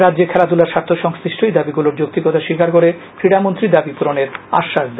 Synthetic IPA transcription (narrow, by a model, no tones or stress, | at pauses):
ɾadːd͡ʑeɾkʰɛlad̪ulaɾʃaɾt̪ʰːoʃɔŋsɾiʃʈʰojd̪abiɡuloɾd͡ʑok̚t̪iɡɔt̪aʃikaɾkoɾe | fɾiɽamont̪ɾid̪abipuɾoneɾa̰ʃːaʃd̪e